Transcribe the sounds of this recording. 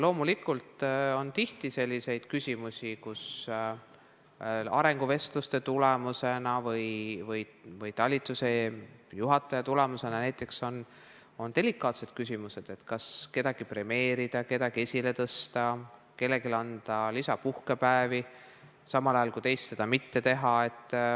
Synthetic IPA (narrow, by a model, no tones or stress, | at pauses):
lo̞ːmulikːˑult̪o̞nt̪iht̪ise̞lʲːise̞jd̪̥kysʲimusʲikus | ɑ̰ɾe̞ŋɡ̥uve̞st̪lust̪e̞t̪ulemuse̞nɑvɤjvɤjvɤjt̪ɑlʲːit̪ːˑuse̞juɦɑt̪ːˑɑjɑt̪ule̞muse̞nɑnæjt̪ːˑe̞kso̞n | o̞nd̪elikːˑɑːt̪se̞d̪̥̚kys̬ʲimuse̞d̪̥e̞t̪kɑske̞d̪̥ɑɡ̥ipre̞me̞ːɾid̪̥ɑke̞d̪ɑɡ̥ie̞sʲile̞t̪ɤst̪ɑ | ke̞lːe̞ɡilɑnt̪ɑlisɑpuhkepæevi | sɑmɑlɑjɑlkuit̪e̞jst̪se̞d̪̥ɑmit̪ːe̞t̪e̞ɦɑe̞t̪ˑː